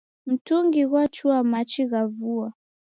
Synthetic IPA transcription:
m̩tuŋɡiɣwat͡ʃuamat͡ʃiɣavua

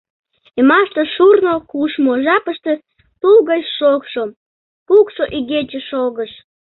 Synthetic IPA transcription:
emɑʃt̪əʃurnokuʃmoʒɑpəʃt̪ĕ | t̪ulɣət͡ɕʃokʃo | pukʃoʔiɣet͡ɕeʃoɣəʃ

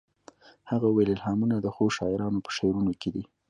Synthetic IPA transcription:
haɣawelɪlhɑmunad̪əxoʃɑɪɾɑnopə̥ʃeɾunoked̪i

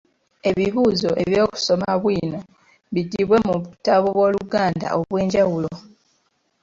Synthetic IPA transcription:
e̞βiβuːzo̞ʔe̞βjo̞ːku̥so̞maβwiːno̞ | βiɟːiβwe̞muβutaβoβwo̞ːluɡaːnda̰ʔoβwe̞ːɲɟawulo

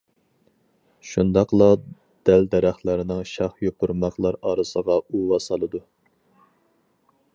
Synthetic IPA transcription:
ʃund̪ɑqlˠɑ | d̪̥ɛld̪ɛɾæχlɪɾɪnɪŋʃɑχjoqʊɾmɑqlˠɑɾɑːɾɨsəʁɑuwɑsɑlˠɨd̪u

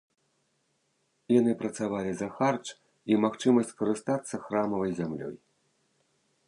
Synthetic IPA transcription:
jan̪ɨpɾɐt̪savalʲizɐxart͡ʂ | imaxt͡ʂɨmɐsʲt͡sʲkɐɾɨst̪at̪sːɐxɾamɐvɐjzʲamlʲɔ̰j

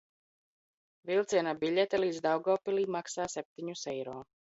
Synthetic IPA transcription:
vilˠt̪siɛnabiʎʲɛt̪ɛliːd̪zd̪awɡɔːpiliːmaksaːsɛp̚t̪iɲusɛjɾɔː

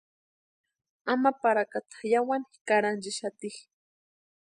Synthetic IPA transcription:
amapaɾakat̪ḁχjawanɪkaɾant͡ʃɪʃat̪ɪχ

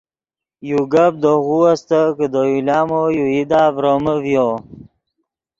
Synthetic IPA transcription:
juɡab̚d̪oɣuast̪əkəd̪ojulɑːmojuid̪aːvɾoməvjo

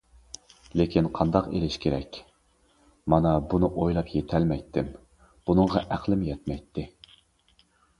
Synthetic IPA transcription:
lekʲʰinqʰɑnd̪ɑqelɪʃkʲʰeɾɛ̰kʲ | mɑnɑbunɨʔojlˠɑpjet̪ʰɛlmɛjt̪ʰːɪm | b̥unɨŋʁɑʔæqlˠɪmjɛt̪mɛjt̪ʰːɪ

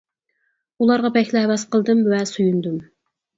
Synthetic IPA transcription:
ulˠɑɾʁɑbɛkʲlɪɦɛwɑsqʰəlˠd̪ɨmvɛsujund̪um

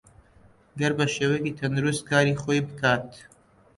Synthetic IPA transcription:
ɡɐɾbɐʃɛwɛɡit̪ʰɐnɾuskaːɾiχɔjbɨkʰaːt̪ʰ

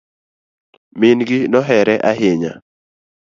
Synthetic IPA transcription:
mɪnɡɪnɔɦɛɾɛʔaɦɪɲa̰

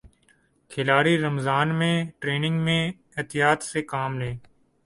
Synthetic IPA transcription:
kʰɪlaːɾiːɾəmzaːnmẽːʈɾeːnɪ̃ŋɡmẽː | ɪt̪ɪjaːt̪seːkaːmlẽː

